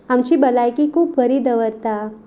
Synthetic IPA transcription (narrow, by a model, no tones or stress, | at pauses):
amt͡ɕiːbəlajkikʰuːpkəɾiːd̪əʋəɾt̪a